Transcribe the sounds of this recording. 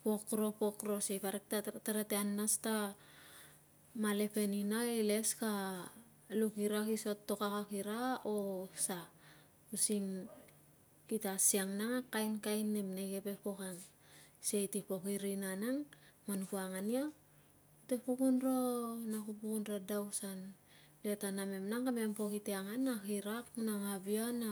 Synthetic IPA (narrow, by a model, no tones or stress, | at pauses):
po̞kɾo̞po̞kɾo̞sejkaɾek̚tataɾateanːasta | male̞pe̞ninaele̞ska | lukiɾakiso̞tːo̞kakakiɾaosa | usiŋ | kitasiaŋnaŋakajnkajnːe̞mnekepe̞po̞kaŋ | sejtipo̞kiɾinanaŋmanukuaŋania | te̞pukunɾonakupukunɾadawsan | letaname̞mnaŋkame̞mpo̞kiteaŋanːakiɾak̚naŋabiana